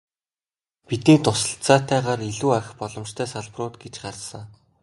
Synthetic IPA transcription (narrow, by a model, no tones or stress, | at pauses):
pit̪iːnt̪ʊsə̆ɬt͡saːt̪ʰːæːʁaːɾiɮuːaxʲpɔɮɞ̆mt͡ɕt̪ʰæːsaɮprʊːt̪ɡet͡ɕɢarsə̆ŋ